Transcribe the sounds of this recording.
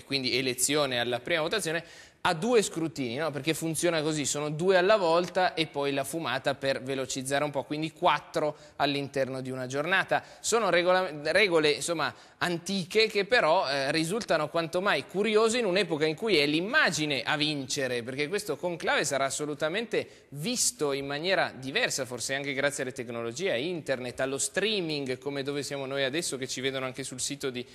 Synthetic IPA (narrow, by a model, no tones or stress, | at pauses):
kwind̪ielet̪sːjoːnealːapɾiːmavot̪at̪sjone | ad̪ːuːeskɾut̪iːninɔperkefunt̪sjoːnakozisoːnod̪uːealːavɔlt̪aʔepːɔjlafumaːt̪apervelot͡ʃid̪zːaːɾeumpɔkwind̪ikwat̪ːɾo | alːint̪ɛrnod̪iunad͡ʒornaːt̪a | soːnoɾeɡolaɾɛːɡoleinsomːa | ant̪iːkekepːeɾɔrizult̪anokwant̪omajkuɾjoːziːnunɛːpokaiŋkujɛlimːaːd͡ʒineʔavint͡ʃeɾeperk̟ekwest̪okoŋklaːvesaɾaːsːolut̪ament̪e | vist̪oimːanjɛːɾad̪ivɛrsaforseaŋkeɡɾat̪sːjealːet̪eknolod͡ʒiːeaint̪ernet̪ːalːost̪ɾiːmiŋɡkomed̪oːvesjaːmonoːjad̪ɛsːoket͡ʃiveːd̪onoaŋkesulsiːt̪od̪i